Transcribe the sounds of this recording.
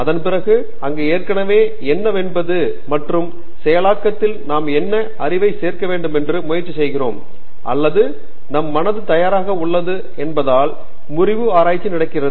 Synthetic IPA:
ɐðɐnpɪɾɐɣɯ | ɐŋɡeːeːrkɐɳɐʋeː | ɛnːɐʋɛnbɐðɯ | mɐʈrɯm | sɛjɐlaːkːɐt̪ːɪlnaːmɛnːɐ | ɐrɪʋɐɪseːrkɐʋeːɳɖɯmɛndrɯmʊjɐɾt͡ʃːisɛjɣɪro̰ːm | ʔɐ̰lːɐðɯ | nɐmːɐnɐðɯt̪ɐjaːɾaːɣɐʊɭːɐðɯ | ɛnbɐðaːl | mʊrɪʋɯaːɾaːjt͡ʃːinɪɽɐɪkːɪrɐðɯ

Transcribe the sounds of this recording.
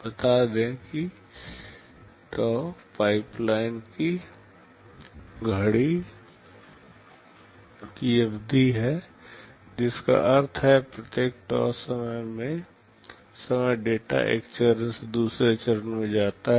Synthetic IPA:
bət̪ad̪ẽki | ʈɔːpaːɪplaːɪnki | ɡʱəɽi | kiəbd̪ʱiɦɛ | d͡ʒɪska̰ʔəɾt̪ʰɦɛpɾət̪jeːk̚ʈɔ̰ːsəməjmẽ | səməjɖeːʈa̰ʔḛːkt͡ʃəɾənsd̪uːsɾet͡ʃəɾənmẽd͡ʒaːt̪aɦɛ

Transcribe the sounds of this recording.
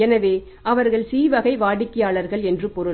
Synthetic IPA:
ɛnɐʋeː | ʔɐʋɐɾɣɐɭsiːʋɐɣɐɪʋaːɽɪkːɪjaːɭɐɾɣɐɭɛndrɯpɔɾɯ

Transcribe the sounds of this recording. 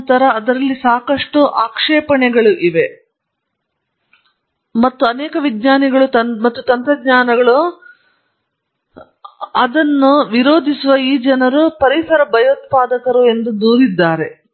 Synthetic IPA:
t̪ɐɾɐːd̪ɐɾɐlːisaːkɐʂʈuʔaːkʂɛːpɐɳɛɡɐɭuʔiʋe̞ | mɐt̪ːuɐnɛːkɐʋidɲaːniɡɐɭut̪ɐmɐt̪ːut̪ɐnt̪ɾɐɡɲaːnɐɡɐɭu | ɐd̪ɐnːuʋiɾoːd̪ʱisuʋɐiːd͡ʒɐnɐɾupɐɾisɐɾɐbɐjoːt̪̚paːd̪ɐkɐɾue̞nd̪ud̪uːɾid̪ːaːɾe̞

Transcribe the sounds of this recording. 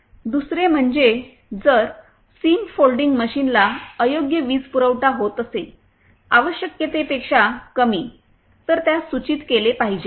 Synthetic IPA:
d̪usɾem̤əɳd͡ʑe | d͡zəɾ | siːmfolɖiŋɡməɕinlaəjoɡjəʋiːd͡zpuɾəʋʈaɦot̪əse | aʋəɕjəkjet̪epekʂakəmiː | t̪əɾt̪jasut͡ɕiːt̪kelepaɦid͡ʑe

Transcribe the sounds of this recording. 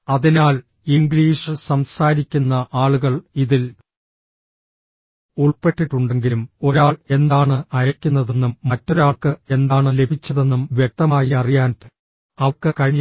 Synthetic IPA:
ɐðinaːl | iŋɡɭiːʂɨsɐmsaːɾikʲːunːɐʔaːɭuɣɐɭiðil | uɭpe̞ʈːiʈːuɳɖeŋɡilumo̞ɾaːɭe̞nd̪aːɳɨɐjɐkʲːunːɐðe̞nːumːɐtːo̞ɾaːɭkɨe̞nd̪aːɳɨle̞bʱit͡ɕːɐðe̞nːumʋjek̚t̪ɐmaːjiɐrijaːn | ɐʋkːɨkɐɻiɲ

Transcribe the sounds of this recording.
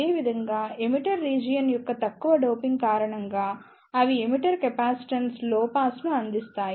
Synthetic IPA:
e̞ːʋid̪ʱɐŋɡaːemiʈɐɾːiːd͡ʒijɐnjɔkːɐt̪ɐkːuʋɐɖoːpiŋɡkaːɾɐɳɐŋɡaː | ɐʋiemiʈɐɾkɛpaːsi̥ʈɐnsloːpaːsnuɐnd̪ist̪aːj

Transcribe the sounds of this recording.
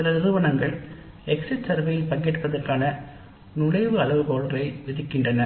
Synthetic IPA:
sɪlɐɪɾɯʋɐnɐŋɡɐɭ | ɛksɪʈsɐɾʋɐjɪlpɐŋɡɛʈpɐðɐrkaːnɐ | nʊɻɐɪʋɯɐɭɐʋɯkoːɭɐrɐɪʋɪðɪkːɪndrɐnɐ

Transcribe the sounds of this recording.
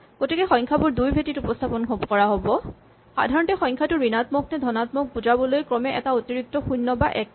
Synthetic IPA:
ɡ̥otikɛxɔj̃ŋkʰabʊɹdujbʱetitupɔstʰapɔnɦobɔkɔɹaɦobɔ | xa̰dʱaɹɔntɛxɔ̃j̃ŋkʰatʊɹinatmɔknɛdʱɔnatmɔk̚buzabɔlojkɹɔmɛʔɛ̰taotiɹik̚tɔxujnːɔbaʔɛk̚

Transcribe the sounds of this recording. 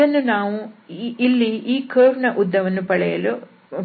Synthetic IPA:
ɐnːunaːʋuː | lːiiːkʰɐːɾɳɐʔud̪ːɐʋɐnːupɐɭɛjɐlu

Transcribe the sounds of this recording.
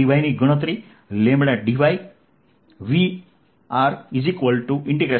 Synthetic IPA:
iʋajniɡuɽ̃ət̪ɾi | lẽmbɭjaɖiʋaj | ʋi | aɾizikʋəlʈuʔĩɳʈiɡɾe

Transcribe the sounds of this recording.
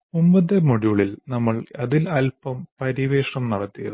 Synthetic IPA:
umbɐd̪emoɽjuɭilnɐmːɐɭɐðilɐlpɐmpɐɾiʋeːʂɳɐmnɐɽɐt̪ːijɐðɨ

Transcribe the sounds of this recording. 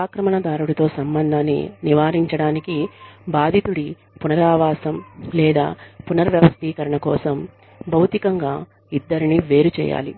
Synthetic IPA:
aːkɾɐmɐɳɐd̪aːɾuɽɐt̪o̞ːsɐmbɐnd̪ʱaːnːḭniʋaːɾiɲt͡ʃɐɽaːnikibaːd̪ʱit̪uɽi | punɐɾaːʋaːsɐmlɛːd̪a̰ːpunɐɾʋjɐʋɐst̪iːkɐɾɐɳɐkɔːsɐm | bʱɐwt̪ikɐŋɡaː | id̪ːɐɾiniʋe̞ːɾut͡ʃɛ̰ːja̰ːlḭ

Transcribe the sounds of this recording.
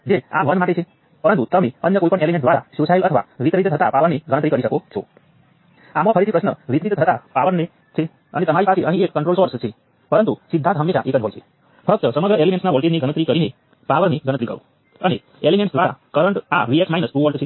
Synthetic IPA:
d͡ʒea̰ʋə̃nd̪maʈet͡ʃʰe | pəɾənt̪ut̪əmeənjəkoipəɳelimẽʈ̚d̪ʋaɾa̰sjosailət̪ʰəʋa̰ʋit̪ɾit̪ət̪ʰət̪apaʋəɾniɡəñə̃t̪ɾikəɾiʃəkot͡ʃʰɔ̰ | amõpʰəɾid̪ipɾəsnəʋit̪ɾit̪ət̪ʰət̪apaʋəɾne | t͡ʃʰe | ə̰net̪əmaɾipat͡ʃʰeʔəɦĩekːəɳʈɾolsɔɾst͡ʃʰe | pəɾənt̪usɪd̪ʱːant̪ɦəmːeʃa̰ʔekəd͡ʒɦojt͡ʃʰe | fʰək̚t̪əsəməɡɾəelimẽʈsnaʋɔlʈiniɡənət̪ɾikəɾine | paʋəɾniɡənət̪ɾikə̰ɾṵ̃ | əne | elimẽɳʈsd̪ʋaɾa̰kəɾəɳʈa̰ʋieksmainəspuʋəɭʈt͡ʃʰe

